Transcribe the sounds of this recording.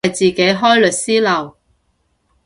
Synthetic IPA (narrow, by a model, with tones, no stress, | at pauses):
jt͡siː˨ke˨˧˥jɦɔː˥jlɵ˨t̚siː˥lɐ˨˩w